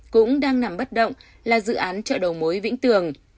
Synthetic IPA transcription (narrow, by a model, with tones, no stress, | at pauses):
kʊ̰˧˥ŋ͡mɗaː˧ŋna˨˩mɓə˦˥t̚ɗə̰˧˨wŋ͡m | laː˨˩zɨ̰˧˨ʔaː˨˦nt͡ɕə̰ː˧˨ɗə˨˩wmo˨˦jvḭ˧˥ŋt̪ɨ˨˩əŋ